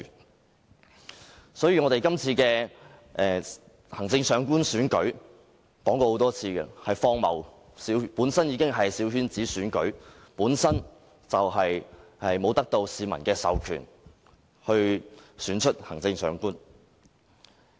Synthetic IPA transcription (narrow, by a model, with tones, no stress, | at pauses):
sɔː˨˥jiː˨˥ŋɔː˨˧ɾe˨jkɐ˥mt͡sʰiː˧kɛː˧ | ʔɛː˨ | hɐ˨˩ŋt͡sɪ˧ŋsœː˨˧ŋkuː˥nsyː˨˥nkɵ˨˥ɥ | kɔː˨˥ŋkɔː˧ho˨˥wt̪ɔː˥t͡sʰiː˧kɛ˧hɐ˨jfɔː˥ŋmɐ̰˨w | siː˨˥wpuː˨˥nsɐ˥njiː˨˧kɪ˥ŋɦɐ˨jsiː˨˥whyː˥nt͡siː˨˥syː˨˥nkɵ̰˨˥ɥpuː˨˥nsɐ˥n | t͡sɐ˨wɦɐ˨jhɐ˨jmo˨˧wt̪ɐ˥k̚t̪o˧wsiː˨mɐ̰˨˩nkɛː˧sɐ̰˨wkʰy̰ː˨˩n | hɵ˧ɥsyː˨˥nt͡ʃʰɵ˥t̚hɐ˨˩ŋt͡sɪ˧ŋsœ̰ː˨˧˥ŋkuː˥n